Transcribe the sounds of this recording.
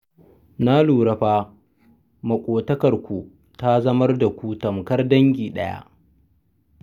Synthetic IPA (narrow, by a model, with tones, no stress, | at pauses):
na˦luː˨ɾɐ˨ɸaː˦ | mɐ˨kʷʼoː˨tɐ˦kɐ˨rkʷu˨ | ta˦zɐ˦mɐ˦rda˨kʷu˦tɐ˨mkɐ˦rdɐ˦ŋɡʲiː˨ɗɐ̰˦ja̰˦ʔ